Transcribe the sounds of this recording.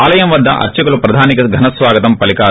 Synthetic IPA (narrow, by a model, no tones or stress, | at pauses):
aːlɐjɐmʋɐd̪ʱːɐ̰ʔɐ̰ɾt͡ʃɐkɐlupɾɐd̪ʱaːnikɐɡʱɐnɐsʋaːɡɐt̪ɐmpɐlikaː